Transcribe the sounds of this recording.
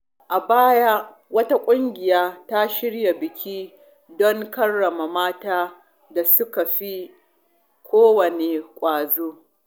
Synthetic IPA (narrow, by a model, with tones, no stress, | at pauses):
ʔa˨baː˦ja˦ | wɐ˦ta˦kʷʼʊ˦ŋɡʲɪ˨jaː˦ta˦ʃɪ˦ɽja˨bɪ˨kʲʰiː˦ | dɔ˦ŋkɐ˦rːɐ˨ma˨maː˦taː˦ | da˨sʊ˦ka˨ɸi˦ | kʷoː˦wɐ˨ne˨kʷʼaː˨zoː˦